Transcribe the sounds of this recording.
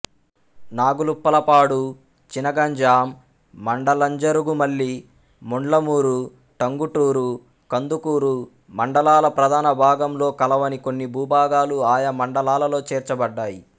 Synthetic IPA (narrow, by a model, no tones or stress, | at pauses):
naːɡulupːɐlɐpaːɽu | t͡ʃinɐɡɐɲd͡ʒaːmː | ɐɳɖɐlɐɲd͡ʒɐɾuɡumɐɭːi | moɳlɐmuːɾu | ʈɐŋɡuʈuːɾu | kɐnd̪ukuːɾu | mɐɳɖɐlaːlɐpɾɐd̪ʱaːnɐbʱaːɡɐmlo̞ːkɐlɐʋɐnikonːibʱuːbʱaːɡaːluaːjɐmɐɳɖɐlaːlɐlo̞ːt͡ʃɛːɾt͡ʃɐbɐɖːaːji